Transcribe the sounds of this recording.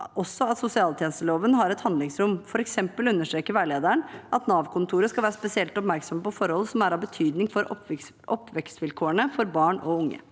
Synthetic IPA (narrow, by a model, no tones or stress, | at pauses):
ɔsːɔɑt̪sʊsɪɑːlt̪ʰjɛnəst̪əloːʋənɦɑɾɛt̪hɑnd̪lɪŋsɾʊmfɔɾɛksɛmpəlʉnːəʂʈ̪ɾeːkəɾʋæːɭeːd̪əɳʔɑt̪nɑːʋkʰʊnt̪ʰuːɾəskɑlʋæːɾəspɛsɪɛlt̪ɔpmæɾksɔməpɔfɔɾhɔlsɔmæɾɑbət̪ʰyːd̪nɪŋfɔɾɔ | ɔpʰːʋɛkst̪ʋɪlkʰoːəɳəfɔɾbɑːɳɔʊŋːə̰